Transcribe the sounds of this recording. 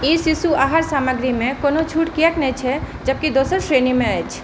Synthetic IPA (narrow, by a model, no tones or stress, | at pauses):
isisuaɦaɾsaːməɡɾimẽkoːnot͡ʃʰuːʈkijəknɛ̃t͡ʃʰɛ | d͡ʒəb̚kid̪oːsəɾsɾeːnimẽəjt͡ʃʰ